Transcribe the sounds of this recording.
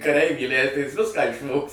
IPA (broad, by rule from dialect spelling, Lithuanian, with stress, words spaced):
kɐˈrʲɛɪʋʲiː iːˈlʲæɪdɐɪ jɪs ˈʋʲɪskɑː ɪʃˈʋoːks